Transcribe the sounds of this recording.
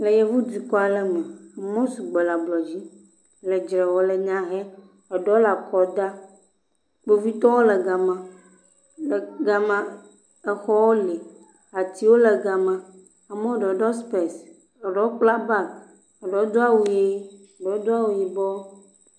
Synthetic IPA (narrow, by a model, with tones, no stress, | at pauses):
lɛ˨jɛ˨vu˦di˨kɔ˦a˨lɛ˨mɛ̃˨mɔ̃˦su˨ɡ͡bɛ˨la˨blɔ˨d͡ʑi˦ | lɛ˨d͡ʒɾɛ˨wo˦lɛ˨ɲã˦ɦɛ˦ | ɔ˨ɖɔ˨˦la˨kɔ˨d̪a˦ | k͡po˨vi˦t̪ɔ˦wo˦lɛ˨ɡa˨mã˨ | lɛ˨ɡa˨mã˨ | ɛ˨xɔ˦wo˦li˨ | a˨t̪i˦wo˦lɛ˨ɡa˨mã˨ | a˨mɛ˦o˦˨ɖɔ˨˦ɖɔ˦spɛ˨s | ɔ˨ɖɔ˦k͡pla˦ba˦˨ | ɔ˨ɖɔ˨˦d̪o˦a˦wu˨je˦ | ɔ˨ɖɔ˨˦o˦d̪o˦a˦wu˨ji˨bɔ˦